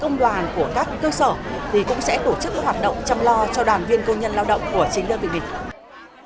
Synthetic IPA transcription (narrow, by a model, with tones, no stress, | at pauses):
kə˧wŋ͡mɗwaː˨˩nku˧˩əkaː˦˥kːəː˧səː˧˩t̪ʰi˨˩kʊ̰˧˥ŋ͡msɛ̰˧˥t̪o˧˩t͡ɕɨ˦˥k̚m˦˥t̚hwaː˨˩t̚ɗə̰˧˨wŋ͡mt͡ɕɔ˧wŋ͡mlɔ˧t͡ɕɔ˧ɗwaː˨˩nvi˧ənkə˧wɲə˧nlaː˧wɗə̰˧˨wŋ͡mku˧˩ət͡ɕi˧˦ŋɗəː˧vḭ˧˨˩mï˨˩ŋ̟